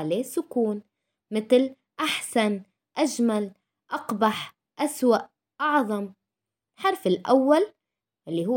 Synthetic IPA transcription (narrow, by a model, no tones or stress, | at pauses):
lesʊkuːn | mɪt̪l | ʔaħsan | ʔaʒmal | ʔɑqbaħ | ʔaswaʔ | ʔɑʕðˤɑm | ħɑɾˤfɪlʔa̰wːal | ʔɪlːiɦʊː